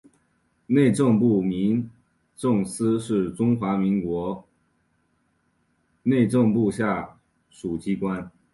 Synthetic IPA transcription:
ne˥˧ɪʈ͡ʂɤ˥˧ŋp̬u˥˩mi˧˥ŋ | ʈ͡ʂɤ˥˩ŋsɹ̩˥ʂɻ̩˥˩ʈ͡ʂʊ˥ŋxwa˧˥mi˧˥ŋkwɔ˧˥ | ne˥˧ɪʈ͡ʂɤ˥˧ŋpu˥˧ɕja˥˩ | ʂu˨˩t͡ɕi˥kwa˥n

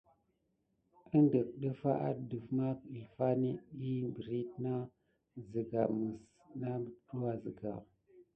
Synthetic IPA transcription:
ə˦ndə˨k̚ɗə˦fa˦ʔa˦də˨vma˦ki˨lfa˦ni˦i˦bɾi˦t̚na˦ | zi˨ɡa˨mə˨s | na˦˨ɗu˦wa˨zə̰˨ɡa̰˨

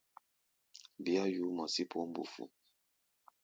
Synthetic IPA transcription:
bi˦a˦ju˨˦mɔ˨si˦pʰo˦m˦bṵ˨fṵ˨

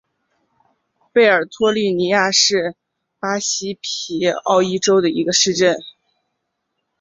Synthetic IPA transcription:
pe˥˩ɪə˞˨˩t̪ʰwɔ˥ly˥˩ni˧˥ja˥˧ʂɻ̩˥˩ | pa˥ɕi˥pʰi˧˥ɑ̰˥˩ʊi˥ʈ͡ʂo˥ʊd̪ə˨ḭ˧˥ɡə˧ʂɻ̩˥˧ʈ͡ʂə˥˩n

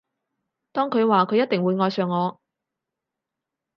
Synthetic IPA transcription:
t̪ɔː˥ŋkʰɵ˨˧ɥwaː˨kʰɵ˨˧ɥjɐ˥t̪̚ɪ˨ŋwuː˨˧jŋɔː˧jsœː˨ŋːɔː˨˧

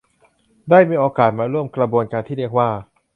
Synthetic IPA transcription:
daː˥˩jmiː˧ʔoː˧kaː˨˩t̪̚maː˧ɾu˥˩əmkla˧bu˧ənka˧nt̪ʰiː˥˩i˥˩ək̚waː˥˩

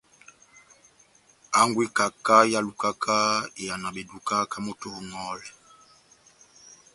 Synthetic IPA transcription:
a˦ŋɡwi˦ka˨ka˦ja˦lu˨ka˦kʰa˦e˨ja˨na˨be˨du˨ka˦ka˦mo˦to˨˦ŋɔ˦l

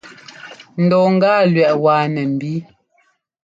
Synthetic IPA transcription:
n̩˨dɔ˨ŋ̩˦ɡaː˦˨lɥɛ˨ʔwaː˨nɛ˨m̩˨bi˦

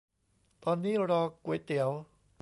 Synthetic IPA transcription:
t̪ɔː˧nːiː˦˥˩ɾɔː˧ku˨˩˦jt̪i˨˩˦əw

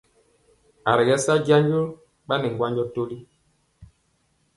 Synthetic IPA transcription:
a˨ɾɛ˨ɡɛ˦sa˦ɟa˦ɲd͡ʒo˦ | ɓa˦nɛ˨ŋɡwa˦ɲd͡ʒɔ˦to˦li˦

